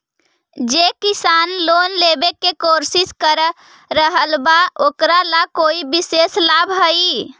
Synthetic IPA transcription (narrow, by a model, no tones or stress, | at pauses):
d͡ʒekisanlonlebekːekoɾsiskəɾə | ɾəɦəlbaokɾalakoibiseslabɦə